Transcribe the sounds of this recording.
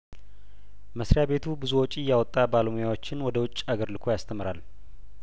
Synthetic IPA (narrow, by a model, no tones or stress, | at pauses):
məsɾjabe̞t̪ʰubɨzuwɔt͡ʃʼijːawɔt̪ʼːabaləmojawo̞t͡ʃːɪnwɔd̪əwʊt͡ʃʼːaɡəɾlɨkʰo̞jast̪ʰəmɨɾal